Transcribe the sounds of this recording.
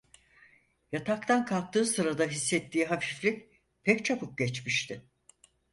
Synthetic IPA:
jat̪ʰak̚t̪ʰankʰalˠk̚t̪ʰɯːsɯɾad̪aɦisːɛt̪ʰːiːɦafiflʲic̚ | pʰɛct͡ʃʰapɯp̚ɟɛt͡ʃmiʃt̪ʰɪ

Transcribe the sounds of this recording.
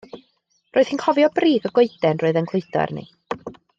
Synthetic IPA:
roːɨð̥hinkʰɔvjɔbriːɡɔɡoɨdɛnroːɨðənkʰlˠʊjdɔ̰rnḭ

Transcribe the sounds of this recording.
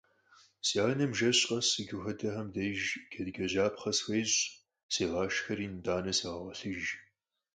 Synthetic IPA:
sjaːnɐmʒɐɕʼqʼɐsɨɡɪxɐdɐħɐmdɐʒɡʰɐdɡʲɐʑaːpχɐsxʷejɕ | seːʁɑːʃxɐɾiːndaːnɐseːʁɐʁɐɬɨʒ

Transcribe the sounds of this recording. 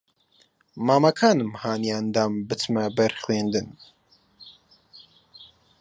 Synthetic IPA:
maːmɐkʰaːnɨmhaːniand̪aːmbɨt̪ʰmɐbɐɾxleːnd̪ɨn

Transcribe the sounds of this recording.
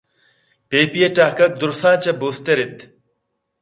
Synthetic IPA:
peːpijeʈaːkɐk̚d̪uɾsãːt͡ɕɐbuːst̪eɾit̪

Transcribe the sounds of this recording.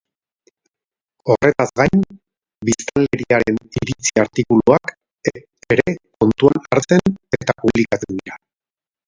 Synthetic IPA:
o̞re̞t̪azɣajn | bist̪anle̞ɾiaɾe̞niɾit͡siaɾt̪ikuluak | eɾe̞ko̞nt̪uanaɾt͡se̞ne̞t̪apuβlikat̪ud̪iɾa

